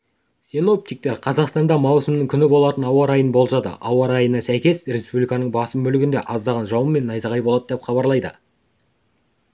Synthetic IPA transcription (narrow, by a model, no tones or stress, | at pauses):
sino̞p̚t̪ik̚t̪e̞ɾqʰɑzɑqst̪ɑnd̪ɑmɑwsəmnəŋkʲʰʏnɪbo̞lˠɑt̪ənɑwɑɾɑjənbo̞lˠʒɑd̪ə̰ʔɑwɑɾɑjənəsæjkʲe̞sɾe̞spublʲijkɑnəɴbɑsəmbɵlɪɡʲɪnd̪e̞ʔɑzd̪ɑʁɑnʒɑwəmːe̞nːɑjzɑʁɑjbolˠɑd̪əd̪e̞pχɑβɑɾlˠɑjd̪ə̰